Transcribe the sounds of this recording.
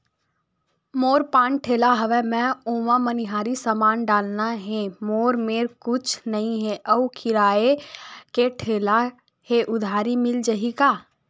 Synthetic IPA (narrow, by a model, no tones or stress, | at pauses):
moːɾpãːnʈʰeːlaɦəʋɛmɛ̃uːʋãməniɦaːɾisəmaːnɖaːlnaɦɛ̃moːɾmeːɾkʊt͡ʃʰnɐɦĩɦɛʔəukʰɪɾaːekeʈʰeːla | heʔʊd̪ʱaːɾimɪld͡ʒəɦikaː